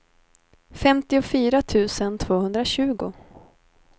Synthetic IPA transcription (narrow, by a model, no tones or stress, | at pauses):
fɛmt̪ɪʊfyːɾat̪ʰʉ̟ːsənt̪ʰvoːhɵnd̪ɾaɕʉ̟ːɡʊ